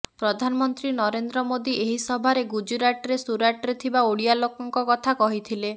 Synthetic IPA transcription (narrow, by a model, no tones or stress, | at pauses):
pɾɔd̪ʱanɔmɔnt̪ɾinɔɾend̪ɾɔmod̪iʔeɦisɔbʱaɾeɡud͡ʒuɾaʈɾesuɾaʈɔɾet̪ʰibaoɽijalokɔŋkɔkɔt̪ʰakɔɦit̪ʰile